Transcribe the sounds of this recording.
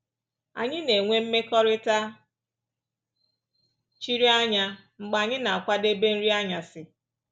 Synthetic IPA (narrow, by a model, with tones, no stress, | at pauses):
a̰˨ɲɪ˦ne˨ŋʷe˦m̩˦me˦kɔ˦ɾɪ˦ta˦ | t͡ʃi˦ɾi˦a˦ɲa˦ | ŋ͡m̩˨ɡ͡ba˨ɲɪ˦na˨a˨kʷa˦de˦be˦n̩˦ɾi˦a˦ɲa˨sɪ˦